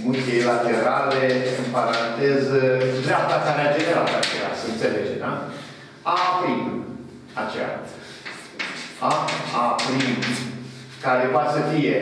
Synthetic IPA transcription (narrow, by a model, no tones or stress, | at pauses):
mut̪ʲeilat̪e̞ɾaleɨmpaɾant̪ezd̪ɾeap̚t̪akaɾead͡ʒeneɾat̪at͡ʃḛa̰səɨnt̪seled͡ʒed̪a | apɾin | at͡ʃḛa̰ | aapɾinu | kaɾepasəfije